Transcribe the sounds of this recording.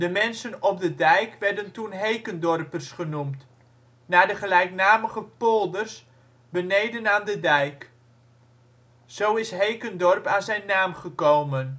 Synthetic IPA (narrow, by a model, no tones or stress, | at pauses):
dəmɛnsənɔp̚dədɛjkʋɛɹdəntunɦejkəndɔrpərsχənumt | naːdəχəlɛjknaːməχəpolˠdərs | bənejdənaːndədɛjk | z̥owɪsɦejkəndɔrpaːnzɛjnːaːmχəkowmən